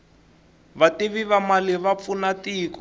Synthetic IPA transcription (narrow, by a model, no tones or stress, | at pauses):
βateβiβamalɪβap̪funatikɔ